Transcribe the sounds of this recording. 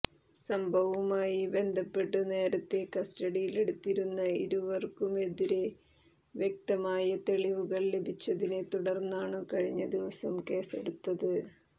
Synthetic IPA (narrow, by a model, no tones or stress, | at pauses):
sɐmbʱɐʋumaːjibend̪ʱɐpːe̞ʈːɐne̞ːɾɐt̪ːe̞kɐstɐɽijile̞ɽut̪ːiɾunːɐḭɾuʋɐrkume̞ðiɾe̞ | ʋjek̚t̪ɐmaːjɐt̪e̞ɭiʋuɣɐɭlebʱit͡ɕːɐðinet̪uɽɐrnːaːɳɨkɐɻiɲːɐd̪iʋɐsɐmke̞ːseɽut̪ːɐðɨ